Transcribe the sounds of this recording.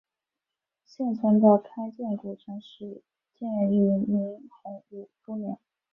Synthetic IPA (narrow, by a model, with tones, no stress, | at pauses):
ɕjɛ˥˩nt͡sʰwə˧˥nd̪ə˧kʰa˥ɪt͡ɕjɛ˥˩nkwɔ˨˩ʈ͡ʂʰɤ˧˥ŋʂɻ̩˥ | t͡ɕjɛ˥˩nɻɛ˧˥ny˧˩mi˧˥ŋxʊ˧˥ŋu˨˩ʈ͡ʂu˥njɛ˧˥˦ŋ